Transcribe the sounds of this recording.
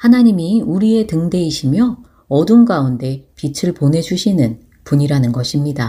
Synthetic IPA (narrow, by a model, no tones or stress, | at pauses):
hanaɲimiuɾie̞tɯŋde̞iɕʰimjʌ | ʌdunɡaunde̞pit͡ɕʰɯɭponɦe̞d͡ʑuɕʰinɯn | puɲiɾanɯnɡʌɕʰimɲida